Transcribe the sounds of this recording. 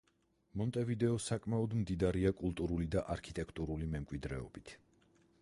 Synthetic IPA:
mɔnt̪ʼɛvid̪ɛɔsakʼmaɔd̪md̪id̪aɾiakʼulˠt̪ʼuɾulid̪aʔaɾkʰit̪ʼɛkʰt̪ʼuɾulimɛmkʼwid̪ɾɛɔ̰bit̪ʰ

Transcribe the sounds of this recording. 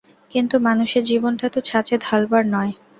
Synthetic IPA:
kint̪umanuʃeɾd͡ʑibonʈat̪ot͡ɕʰat͡ɕed̪ʱalbaɾnɔe

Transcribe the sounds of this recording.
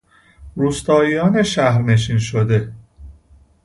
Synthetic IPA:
ɾuːst̪ɒːijɒːneʃæhɾneʃ̬inʃod̪e̞

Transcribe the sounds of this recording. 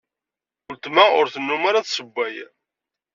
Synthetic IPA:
ʊlt̪maʊɾθənːumaɾaðsəbʷːæj

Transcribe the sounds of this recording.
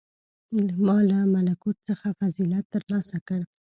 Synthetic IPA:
mɑlamalakut̪səxafazilat̪ːəɾlɑsakəɽ

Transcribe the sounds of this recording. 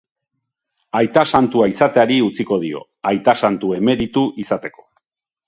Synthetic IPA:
ajt̪asant̪uaisat̪eaɾiut͡siko̞ðio̞̰ | ajt̪asant̪ue̞me̞ɾit̪uʔisat̪e̞ko̞̥

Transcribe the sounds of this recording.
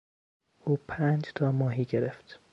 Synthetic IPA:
uːpʰæːnd͡ʒt̪ʰɒːmɒːɦiːɟeɾeft̪

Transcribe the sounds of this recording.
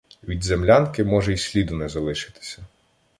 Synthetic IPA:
ʋʲid̪zemlʲankɪmɔʒɛisʲlʲid̪ʊnɛzɐlˠɪʃɪ̥t̪ɪ̥sʲɐ

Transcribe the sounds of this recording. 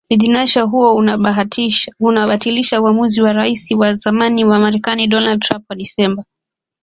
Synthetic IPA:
fiðinaʃaɦuɔ | unaɓatiliʃauamuziwaɾaisiwazamaniwamaɾɛkaniɗɔnald̚tɾampwaɗisɛmba

